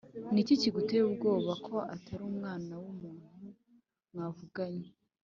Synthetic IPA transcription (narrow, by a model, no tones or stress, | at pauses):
niciciɡute̞ub̚ɡo̞ːβakʰo̞ataɾuːmŋaːnawumuːn̥u | mŋaːvuɡaɲe